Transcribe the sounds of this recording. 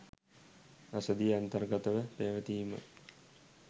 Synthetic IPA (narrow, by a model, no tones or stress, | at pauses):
asəd̪ijəant̪ɐrɡɐt̪əʋəpeːʋət̪iːmə̰